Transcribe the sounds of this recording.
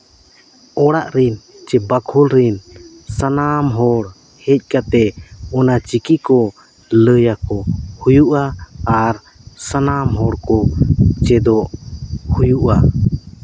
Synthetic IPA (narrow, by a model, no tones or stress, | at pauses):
ɔɽaʔɾin | t͡ʃɛbakʰulɾin | sanamɦɔɽ | hɛc̚ˀkat̪ɛɔnat͡ʃikikɔ | ləjakɔhujuʔaːɾ | sanamɦɔɽkɔt͡ʃɛd̪ɔʔhujuʔa